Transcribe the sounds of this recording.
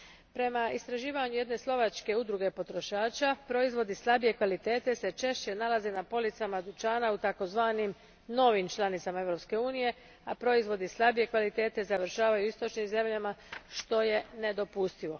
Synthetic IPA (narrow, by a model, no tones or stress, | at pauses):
pɾe̞maist̪ɾaʒiːʋaɲuje̞d̪ne̞slˠo̞ʋat͡ʃke̞ud̪ɾuɡe̞po̞t̪ɾo̞ʃaːt͡ʃapɾo̞izʋo̞d̪islˠabije̞kʋalit̪e̞ːt̪e̞se̞t͡ʃe̞ʃt͡ɕe̞nalaze̞napo̞lit̪samad̪ut͡ʃaːnaut̪ako̞zʋaːnim | no̞ʋimt͡ʃlˠanit̪samae̞ʋɾo̞pske̞uːnije̞ | apɾo̞izʋo̞d̪islˠabije̞kʋalit̪e̞ːt̪e̞zaʋɾʃaːʋajuist̪o̞t͡ʃnimze̞mʎamaʃt̪o̞je̞ne̞d̪o̞pust̪iʋo̞